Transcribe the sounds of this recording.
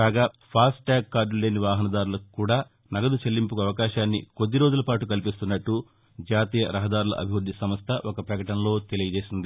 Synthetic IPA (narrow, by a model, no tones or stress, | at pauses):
aːɡaː | pʰaːsʈːaːɡkːaːɾɖule̞ːniʋaːɦɐnɐd̪aːɾulɐkukːuːɽaː | nɐɡɐd̪ut͡ʃelːimpukuɐʋɐkaːʃaːnːḭkod̪ːiɾoːd͡ʒulɐpaːʈukɐlipist̪unːɐʈːu | d͡ʒaːt̪iːjɐɾɐɦɐd̪aːɾulɐ̰ʔɐ̰bʱiʋɾud̪ːisɐmɐst̪ʰɐʔɔkɐpɾɐkɐʈɐnɐlo̞ːt̪e̞lijɐd͡ʒe̞ːsind̪i